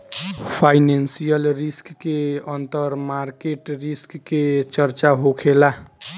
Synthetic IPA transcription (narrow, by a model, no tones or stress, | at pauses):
pʰajnensijəlɾiskːeənt̪əɾmaɾkeʈɾiskːet͡ʃəɾt͡ʃaɦokʰela